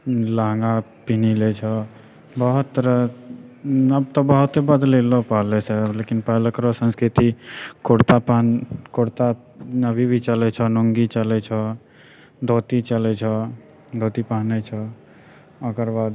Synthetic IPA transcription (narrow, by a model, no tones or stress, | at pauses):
laɦŋɡapinilet͡ʃʰɔ | bəɦut̪ːɾ | əb̚t̪ɔbəɦut̪ebəd̪lelɔpəɦlɛsɛlekinpəɦləkɾɔsə̃nskɾit̪ikoɽt̪apankoɽt̪a | nəbʱibʱit͡ʃəlɛt͡ʃʰɔnoŋɡit͡ʃəlɛt͡ʃʰɔ | d̪ʱot̪it͡ʃəlɛt͡ʃʰɔ | d̪ʱot̪ipaɦnɛt͡ʃʰɔ | əkəɾbad̪